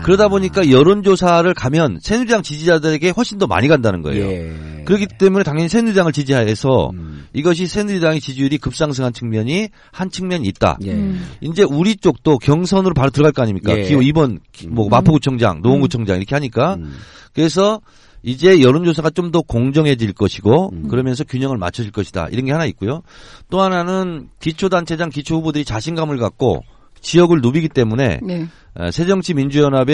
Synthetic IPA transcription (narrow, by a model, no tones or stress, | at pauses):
kɯɾʌdaboɲik͈ajʌɾond͡ʑosʰaɾɯɭkamjʌnsʰe̞nud͡ʑaŋt͡ɕid͡ʑid͡ʑadɯɾe̞ɡe̞ɸwʌɭɕʰindʌma̰ɲiɡandanɯnɡʌ̰ḛjo̰ | kɯɾʌɡit͈e̞mune̞taŋjʌɲisʰenud͡ʑaŋɯɭt͡ɕid͡ʑiɦaɦe̞sʰʌ̰iɡʌɕ̬ʰisʰe̞nuid͡ʑaŋet͡ɕid͡ʑuiɾikɯp̚s͈aŋs̬ʰɯŋɦant͡ɕʰɯŋmjʌɲi | hant͡ɕʰɯŋmʲjʌɲiːt̚t͈a̰ind͡ʑe̞uɾit͡ɕ͈ok̚t͈okjʌŋs̬ʰʌnɯɾopaɾotɯɾʌɡaɭk͈ʌaɲimɲikk͈a̰kioibʌnmʌmapʰoɡut͡ɕʰʌŋd͡ʑa̰ŋnooŋɡut͡ɕʰʌŋd͡ʑa̰ŋiɾʌkʰe̞haɲik͈a | kɯɾe̞s̬ʰʌ | id͡ʑe̞jʌɾɯnd͡ʑos̬ʰaɡat͡ɕ͈omdʌkoŋd͡ʑʌŋɦe̞d͡ʑiɭk͈ʌɕʰiɡokɯɾʌmjʌnsʰʌkjuɲʌŋɯɭma̰t͡ɕʰʌd͡ʑiɭk͈ʌɕʰida̰ḭɾʌnɡe̞hanaik̚k͈ujot͈oɦananɯnkit͡ɕʰodant͡ɕʰe̞d͡ʑaŋkit͡ɕʰoɸubodɯɾit͡ɕaɕʰinɡamɯɭɡak̚k͈o̰ | t͡ɕijʌɡɯɭnobiɡit͈e̞mune̞̰ | ḛsʰe̞d͡ʑʌŋɕʰimind͡ʑujʌnabe